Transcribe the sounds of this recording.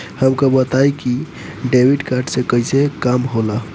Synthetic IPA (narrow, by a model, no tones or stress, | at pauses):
həmkəbət̪ajki | ɖebiɖkaɾɖsẽkəisekamɦola